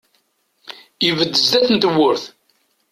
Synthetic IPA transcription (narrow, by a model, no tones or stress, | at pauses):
ivəd̪ːəzd̪æθənt̪əwːʊɾθ